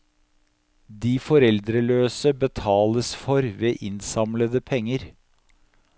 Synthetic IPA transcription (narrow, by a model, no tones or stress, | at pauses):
d̪iːfɔɾɛld̪ɾəløːsəbət̪ʰɑːləsfɔɾʋeːʔɪnsɑmləd̪əpʰɛŋːəɾ